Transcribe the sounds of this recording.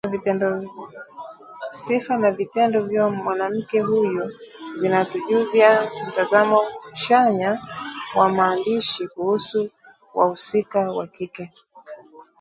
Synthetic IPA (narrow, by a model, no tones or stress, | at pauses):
vitɛndɔ | sifanavitɛndɔvjɔmwanam̩kɛɦujɔvinatuʄuvjam̩tazamɔuʃaɲawamaːndiʃikuhusu | wa̰husikawakikɛ